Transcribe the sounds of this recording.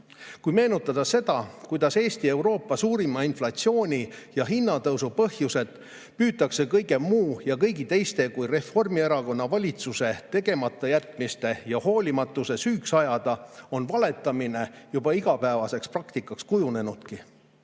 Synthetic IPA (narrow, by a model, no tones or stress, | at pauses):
kujme̞ːnut̪ːˑɑd̪̥ɑse̞d̪ɑkujd̪̥ɑse̞ːst̪ie̞wɾo̞ːpːˑɑsuːɾimɑinflɑt̪sio̞ːnʲijɑɦinːɑt̪ɤwsupɤhjuse̞d̪̥ | pyːt̪ːˑɑkse̞kɤjɡe̞mmuːjɑkɤ̞jɡit̪e̞jst̪e̞kujre̞fo̞rmieɾɑko̞nːɑvɑlʲit̪suse̞t̪e̞ɡe̞mɑt̪ːˑɑjæt̪ˑmist̪e̞jɑho̞ːlʲimɑt̪ːˑuse̞syːksɑjɑd̪̥ɑo̞nvɑle̞t̪ːˑɑmine̞jubɑiɡ̥ɑpæevɑse̞ksprɑkt̪ikːˑɑkskujune̞nud̪̥ki